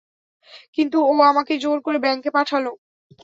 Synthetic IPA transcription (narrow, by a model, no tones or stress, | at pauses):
kint̪uoamaked͡ʑoɾkoɾebɛŋkepaʈʰalo